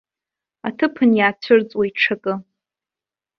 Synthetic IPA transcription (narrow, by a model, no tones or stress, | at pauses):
a̰tʰɨpʰɨnjaːt͡ɕʷʰʊrt͡sʼwaiʈ͡ʂʰakʼɨ